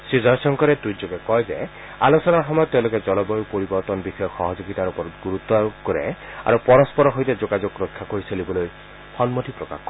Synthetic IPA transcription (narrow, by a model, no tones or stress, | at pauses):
sizaɹsɔŋkɔɾɛtɹuzoɡɛkɔjzɛ | a̰lusɔnaɹxɔmɔjɔt̚ːeʊ̃lʊkɛzɔlɔbɔjupoɹibɔɹtɔnbixɔjɔxɔɦɔzoɡitaɹupɔɡuɹut̪ːɔkɔɹɛ̰a̰ɹupɔɹɔspɔɹɔɦojtɛzoɡazɔkɹɔkʰːakoɹiselibɔloj | xɔnmotʰipɹɔka̰xkːɔɹɛ